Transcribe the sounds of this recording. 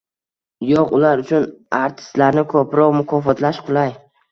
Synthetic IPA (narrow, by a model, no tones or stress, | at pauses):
jɒqʊlaɾʊt͡ʃʰʊnaɾt̪ʰɪ̥st̪laɾnɪkʰɵpɾɒqmʊkʰɒfɒt̪laʃqʰʊlˠaj